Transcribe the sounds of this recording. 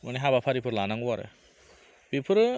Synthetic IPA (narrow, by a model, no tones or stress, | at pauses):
mɯniɦabapʰaɾipʰɯɾlanaŋuaɾḛ | bipʰɯɾ